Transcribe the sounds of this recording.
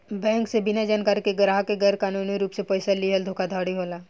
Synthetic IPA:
bɛ̃ːŋksebɪnad͡ʒaːnkaɾkeɡɾaːɦkeɡɐɾkaːnuːniɾuːpsepoɪsaliɦəld̪ʱoːkad̪ʱaːɽiɦoːlaː

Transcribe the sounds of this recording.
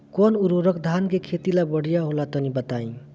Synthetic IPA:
kɔnuɾoɾəkd̪ʱankekʰet̪ilabʌɽ̤ijaɦolat̪ʌnibət̪aĩ

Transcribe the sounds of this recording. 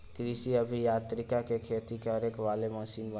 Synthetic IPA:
kɾɪʃiɐbʱijaːt̪ɾɪkakekʰeːt̪ikeɐɾeːkʋaːlemɔːʃiːnbə

